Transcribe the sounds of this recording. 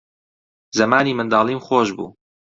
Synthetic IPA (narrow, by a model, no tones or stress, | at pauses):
zɐmaːniːmɨnd̪aːlˠiːmxoːʃbṵː